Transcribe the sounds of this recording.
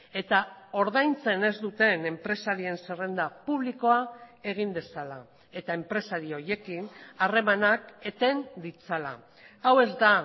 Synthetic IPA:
e̞t̪ao̞ɾðajnt͡se̞ne̞zd̪ut̪e̞ne̞mpɾe̞saɾie̞nsere̞nd̪apuβliko̞ae̞ɣ̞ind̪e̞sala | e̞t̪ae̞mpɾe̞saɾio̞je̞kinare̞manake̞t̪e̞nd̪it͡sala̰ | awe̞zd̪a

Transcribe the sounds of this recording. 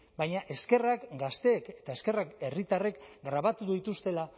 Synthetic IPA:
bajɲaʔe̞ske̞rakɡast̪e̞ːke̞̥t̪aeske̞rake̞rit̪are̞kɡɾaβ̞at̪uðuit̪ust̪e̞la

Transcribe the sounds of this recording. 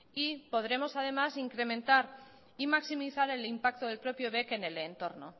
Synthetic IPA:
ipo̞ð̞ɾe̞mo̞sað̞e̞masiŋkɾe̞mẽ̞nt̪aɾ | imaksimiθaɾe̞limpak̚t̪oðelpɾo̞pjoβe̞ke̞ne̞lent̪o̞ɾno̰

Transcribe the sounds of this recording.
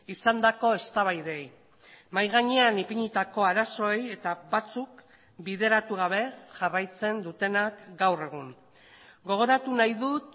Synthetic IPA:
isand̪ako̞est̪aβ̞ajðe̞j | majɣaɲe̞anipiɲit̪ako̞aɾaso̞e̞je̞t̪aβat͡suk | bið̞e̞ɾat̪uɣ̞aβe̞ʝarajt͡se̞nd̪ut̪e̞nakɡawre̞ɣ̞un | ɡo̞ɣ̞o̞ɾat̪unajðut̪

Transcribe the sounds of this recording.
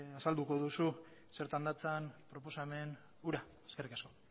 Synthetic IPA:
asald̪uko̞ðusu | se̞ɾt̪and̪at͡sanpɾo̞po̞same̞n | uɾa | eske̞rikasko̞

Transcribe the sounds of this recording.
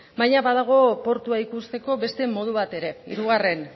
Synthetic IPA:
bajɲaβaðaɣ̞o̞po̞ɾt̪uaikust̪e̞ko̞βe̞st̪e̞mo̞ð̞uβ̞at̪e̞ɾe̞ḭɾuɣare̞n

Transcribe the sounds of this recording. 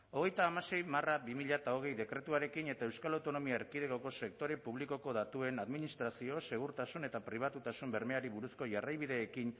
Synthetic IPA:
o̞ɣ̞e̞jt̪aːmase̞jmarabimiʎat̪ao̞ɣ̞e̞jðe̞kɾe̞t̪uaɾe̞kine̞t̪ae̞wskalawt̪o̞no̞miaeɾkiðe̞ko̞ko̞se̞k̚t̪o̞ɾe̞puβ̞liko̞ko̞ðat̪ue̞naðminist̪ɾasio̞se̞ɣ̞uɾt̪asune̞t̪apɾiβ̞at̪ut̪asumbe̞ɾme̞aɾiβuɾusko̞ʝarajβ̞iðe̞ːkin

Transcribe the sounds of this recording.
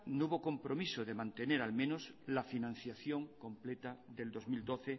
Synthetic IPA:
nuβoko̞mpɾo̞misoðe̞mãnt̪e̞ne̞ɾalmẽnoslafinãn̟θjaθjo̞ŋko̞mplet̪aðe̞ld̪ozmild̪oθe

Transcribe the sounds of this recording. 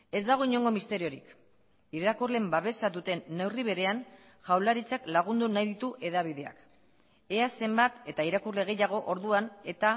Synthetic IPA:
e̞zd̪aɣ̞o̞iɲo̞ŋɡo̞mist̪e̞ɾio̞ɾik | iɾakurle̞mbaβe̞sad̪ut̪e̞nːe̞wriβ̞e̞ɾe̞an | ʝawlaɾit͡saklaɣ̞und̪unajðit̪uʔe̞ðaβ̞ið̞e̞a̰k | e̞ase̞mbat̪e̞t̪aiɾakurle̞ɣ̞e̞jaɣ̞o̞ʔoɾðuane̞t̪a

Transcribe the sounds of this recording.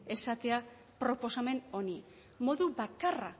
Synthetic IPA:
e̞sat̪e̞a | pɾo̞po̞same̞no̞ni | mo̞ðuβakara

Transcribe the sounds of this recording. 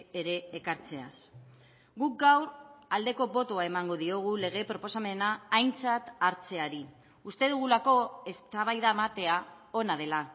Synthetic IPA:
eɾe̞ːkaɾt͡se̞as | ɡuk̚ɡawɾald̪e̞ko̞bo̞t̪oae̞maŋɡo̞ð̞io̞ɣ̞ule̞ɣ̞e̞pɾo̞po̞same̞naːjnt͡sat̪aɾt͡se̞aɾi | ust̪e̞ð̞uɣ̞ulako̞e̞st̪aβ̞ajðaemat̪e̞a | o̞nað̞e̞la

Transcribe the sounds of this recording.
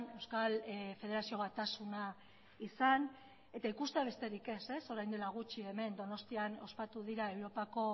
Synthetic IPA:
ne̞wskalfe̞ð̞eɾasio̞βat̪asuna | isan | e̞t̪aikust̪eaβ̞e̞st̪e̞ɾike̞se̞so̞ɾajnd̪e̞laɣ̞ut͡ʃie̞me̞nd̪o̞no̞st̪iano̞spat̪uðiɾae̞wɾo̞pako̞

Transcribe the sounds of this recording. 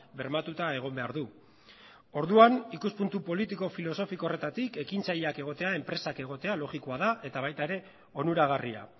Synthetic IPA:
be̞ɾmat̪ut̪ae̞ɣ̞o̞mbe̞aɾðu | o̞ɾðuanikuspunt̪upo̞lit̪iko̞filo̞so̞fikore̞t̪at̪ike̞kint͡saʎeake̞ɣ̞o̞t̪e̞ae̞mpɾe̞sake̞ɣ̞o̞t̪e̞alo̞ɣiko̞aðaʔe̞t̪aβajt̪aeɾe̞ | o̞nuɾaɣ̞aria̰

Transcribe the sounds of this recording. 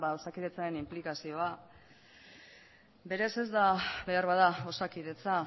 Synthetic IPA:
baðwsakiðe̞t͡saɾe̞nimplikasio̞a | be̞ɾe̞se̞zd̪aβe̞aɾβaðao̞sakiðe̞t͡sa

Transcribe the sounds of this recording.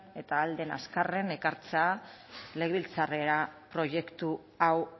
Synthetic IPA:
e̞t̪aːld̪e̞na̰skare̞ne̞kaɾt͡sea | le̞ɣβilt͡sare̞ɾapɾo̞ʝe̞kt̪u | aw

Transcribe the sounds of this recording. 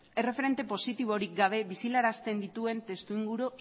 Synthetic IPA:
ere̞fe̞ɾe̞nt̪e̞po̞sit̪iβ̞o̞ɾiɡaβ̞e̞βisilaɾast̪e̞nd̪it̪ue̞nt̪e̞st̪uiŋɡuɾo

